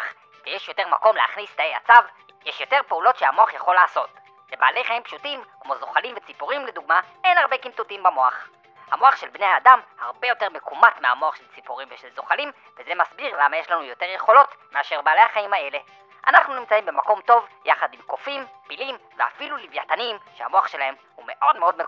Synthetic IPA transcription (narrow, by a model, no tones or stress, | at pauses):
χ | ʃejeʃjo̞te̞ʁmako̞mlea̰χnist̪aeja̰t͡sav | jeʃjo̞te̞ʁpeulo̞tʃeamo̞aχjaχo̞lːaːso̞t | leba̰ːle̞jχaimpʃutimkmo̞zoχalimvet͡sipuʁimled̪uɡmae̞nhaʁbe̞kimt̪utimbamo̞aχ | hamo̞aχʃelbnehaːdamhaʁbe̞jo̞te̞ʁmekumatmea̰moaχʃelt͡sipuʁimveʃelzoχalim | vezemasbiʁlamajeʃlanujo̞teʁjeχo̞lo̞tmeaʃe̞ʁbaːle̞jhaχaimhae̞le̞ | ʔa̰naχnunimt͡saimbe̞mako̞mto̞vjaχadimko̞fimpilimvea̰filulivjatanimʃeha̰mo̞aχʃe̞lahe̞m | hume̞ʔo̞dmeo̞d̪me